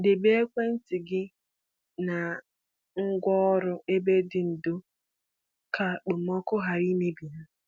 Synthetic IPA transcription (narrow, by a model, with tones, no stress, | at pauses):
dɪ˨be˦e˦kʷe˦n̩˦tɪ˨ɡɪ˦ | na˨ | ŋ̩˦ɡʷɔ˦ɔ˦ɾʊ˦e˦be˦dɪ˨n̩˨dʊ˦ | kʰa˦k͡pʊ˨m̩˦ɔ˦kʊ˦ɦa˨ɾi˦me˦bi˨na˦